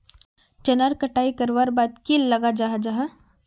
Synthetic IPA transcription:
t͡ʃɐnaɾkɐʈaːikɐɾʋaɾbaːd̪kilːɐɡad͡ʒaːɦad͡ʒaːɦa

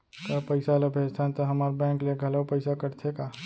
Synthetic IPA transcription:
kapəɪsaləbʱed͡ʒt̪ʰant̪ɔɦəmaɾbɛ̃ŋkleɡʱələpəɪsakəɾt̪ʰeka

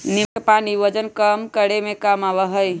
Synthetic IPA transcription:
nikepaniʋəd͡ʒənkəmkəɽemekəmabəɦəj

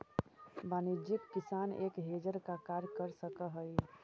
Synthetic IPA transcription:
baːnid͡ʒikːisanḛːkɦed͡ʒəɾkakaɾkəɾsəkəɦəj

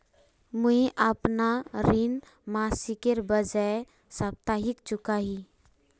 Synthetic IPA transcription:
muiʔəpnaɾin | maːsikeɾbəd͡ʒəe | səp̚t̪aɦɪkt͡ʃʊkaɦi

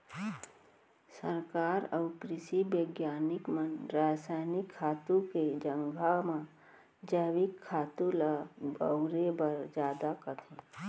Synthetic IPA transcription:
səɾkaːɾəʊpɾɪʃibəɡjaːnɪkmənɾaːsaːjnɪkʰːaːt̪ũked͡ʒə̃ŋɡʱamã | d͡ʒəːʋɪkʰːaːt̪ũlabəʊɾebəɾd͡ʒjaːd̪akət̪ʰẽ

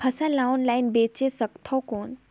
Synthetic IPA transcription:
pʰɐsãlawnlajnbeːt͡ʃesəkt̪ʰɔkoːn

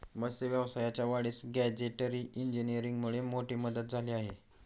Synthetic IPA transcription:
məseʋjəʋsajat͡ɕjaʋaɽiːsɡæd͡ʑeʈəɾiʔiɲd͡ʑinijəɾiŋɡmuɭemoʈiːməd̪ət̪̚d͡zʱaliaɦe

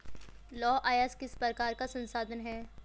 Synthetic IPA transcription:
lɔːʔaːjaːskɪspɾəkaːɾkasɐ̃nsaːd̪ʱənɦɛː

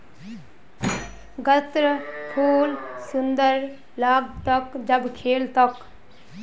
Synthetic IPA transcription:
ɡət̪ɾəpʰuːlsʊnd̪əɾ | laːɡt̪ʌkd͡ʒəbkʰeːlt̪ək

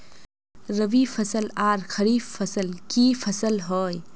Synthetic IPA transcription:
ɾəʋipʰɐsəlaːɾxʰɐɾifːɐsəlkipʰɐsəlɦɔːj

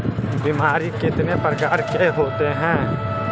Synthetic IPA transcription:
bimaːɾikɪt̪nepəɾɡaːɾkeɦoːt̪eɦɛ̃ː

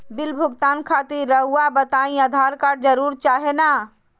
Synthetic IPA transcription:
bɪlbʱʊɡt̪aːnkʰaːt̪iɾːəɦuabət̪aːĩəd̪ʱaːɾkaːɽd͡ʒəɾuːɾt͡ʃaːɦenaː

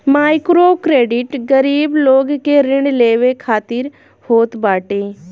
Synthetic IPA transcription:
maːɪkɾokɾeːɖɪʈɡəɾiːbloːɡkeɾɪ̃ɳɖleːʋekʰaːt̪ɪɾ | hoːt̪baːʈeː

